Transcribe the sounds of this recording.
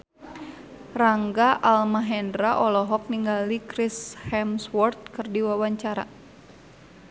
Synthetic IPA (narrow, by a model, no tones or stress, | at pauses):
raŋɡaʔalmaɦɛndɾaʔɔlɔɦɔk̚niŋɡalikɾishɛmswɔrt̪̚kɨrdiwawaɲt͡ʃaɾa̰